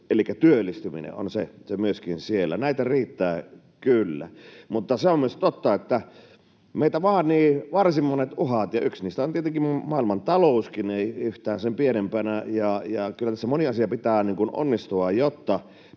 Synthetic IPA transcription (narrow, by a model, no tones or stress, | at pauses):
elikːæt̪yølːˑist̪ymḭnḛʔo̰nsesemyøskinsielːæ̰næit̪æriːt̪ːæː | kylːæ̰mut̪ːɑseomyøst̪ot̪ːɑet̪ːæ | meˑit̪æʋɑːnniːʋɑrsimːonet̪ʔuhɑt̪jɑʔyksniːst̪æont̪iet̪eŋkimmɑːˑilmɑnt̪ɑloˑuskineiyht̪æːnsempienempænæjɑjɑkylːæt̪æsːæmoniɑsiɑpit̪æːniːŋkuno̰nːist̪uɑjot̪ːɑ